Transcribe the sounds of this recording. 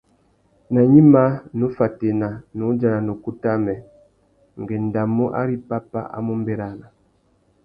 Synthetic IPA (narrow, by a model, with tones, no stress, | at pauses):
na˨ɲi˦ma˦nu˨˦fa˨te˨na˨nu˨˦d͡ʒa˨na˨nu˨ku˦ta˦mɛ˨ | ŋ˨ɡɛ˨n˨da˨mu˦ʔa̰˦ɾi˦pa˦pa̰˦ʔa̰˦mu˦m˦bɛ˦ɾa˦˨na˨